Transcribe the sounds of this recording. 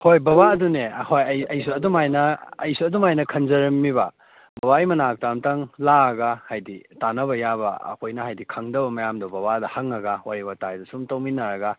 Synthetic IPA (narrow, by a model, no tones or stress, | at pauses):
hojbɐβaɐdunehojɐjɐjsuɐdumajnɐːjsuɐdumajnɐkʰɐnzɐɾɐmːibɐ | bɐbaijmɐnak̚tamtɐŋlaɐɡahajditanɐbɐjabɐ̰ɐ̰kʰojnɐhajdikʰɐŋdɐbɐmɐjamdɐbɐβadɐhɐŋɐɡɐwaɾibatajdɐsumtɐwminɐɾɐɡɐ